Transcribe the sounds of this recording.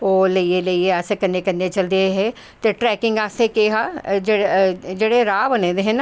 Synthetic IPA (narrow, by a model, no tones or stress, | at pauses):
oːləieləieaːsekənːẽːkənːẽt͡ʃəld̪eɦɛ̃ | t̪eʈɾɛːkɪ̃ŋɡaːst̪ekeːɦad͡ʒed͡ʒeːɽeɾaːbənẽːd̪eɦɛ̃n